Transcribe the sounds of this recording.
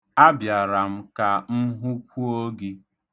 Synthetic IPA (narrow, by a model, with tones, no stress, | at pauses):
a˦bja˨ɾa˨m̩˦ka˨m̩˦ɦu˦kʷu˦o˦ɡi˦